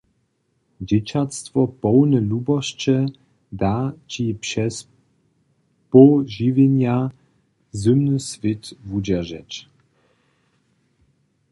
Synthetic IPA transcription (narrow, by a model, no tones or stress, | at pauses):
d͡ʑɛt͡ɕatst̪vɔpɔwnɛlubɔʃt͡ɕɛ | d̪at͡ɕipʂɛs | pɔʒɪvjɛɲja | zɵmnɨsvɪt̪vud͡ʑɛʒɛ̰t͡ɕ